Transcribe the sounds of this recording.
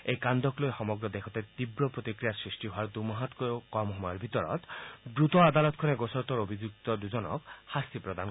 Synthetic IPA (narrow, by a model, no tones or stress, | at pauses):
ejkand̪ɔklojxɔmɔɡɹɔd̪ekʰɔt̪ɛt̪ibɹɔpɹot̪ikɹijasɹisʈiɦoaɹd̪umɔɦat̪kɔjkɔmhɔmɔjɔɹbʱit̪ɔɹɔ̰t̪bɹut̪ɔad̪alɔt̪kʰɔnɛɡosɔɹt̪ɔɹobʱizuk̚t̪ɔd̪uzɔnɔ̰khast̪ipɹɔd̪an